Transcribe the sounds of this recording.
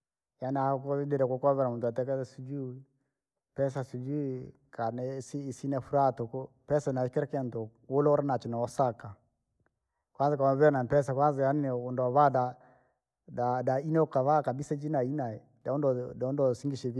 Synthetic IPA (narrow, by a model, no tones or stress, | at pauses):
janakɔidɛɾɛkɔkaβɛɾamuntuatɛkɛɛsid͡ʒu | pɛs̬asid͡ʒu | kanɛsiːsinɛfuɾatɔkɔ | pɛsanakɛɾɛkɛntɔ | wolɔɔɾɛnat͡ʃɔnaɔsaka | kwanzikamβɛɾnampɛsakwanzijannɛɔndaβada | dadainɛɔkaβakabisad͡ʒinainaɛ | daɔndɔdaɔndɔsiŋɡiʃɛβi